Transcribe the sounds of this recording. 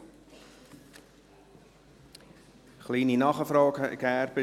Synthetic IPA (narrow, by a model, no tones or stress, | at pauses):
χlininɔχəfroːkɛːrpə